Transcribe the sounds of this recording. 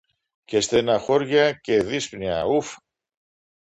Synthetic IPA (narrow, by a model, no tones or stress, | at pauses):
cest̪enɐxoɾʝɐceðispniɐuf